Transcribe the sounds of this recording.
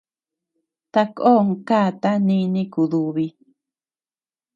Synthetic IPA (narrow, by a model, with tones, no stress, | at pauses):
t̪a˧ko˦ŋ˧kaː˦˨t̪a˦nĩ˦˧nĩ˦ku˨ðu˨βi˧